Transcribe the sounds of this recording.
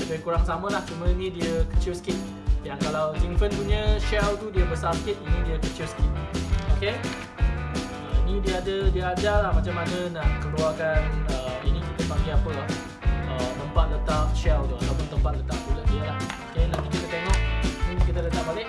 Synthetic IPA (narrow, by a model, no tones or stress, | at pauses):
dəbajkuɾaŋsamãlaht͡ʃumə̃inĩdiəkət͡ʃilsə̥kɪt̪̚ | jaŋkalawd͡ʒiŋfənpuɲə̃ʃɛwt̪udiəbəsarsə̥kɪt̪̚inĩdiəkət͡ʃilsə̥kɪtoke | əinĩdiəadədiəad͡ʒalahmat͡ʃamanənaʔkəluakanəinĩkit̪əpaŋɡiapət̪ɔh | ət̪əmpat̪̚lət̪ap̚ʃɛwt̪uat̪awpʊnt̪əmpat̪̚lət̪ap̚t̪udaʔdiəlahokelakik̪it̪ət̪eŋɔʔinĩpunkit̪ələt̪aʔbalɪʔ̚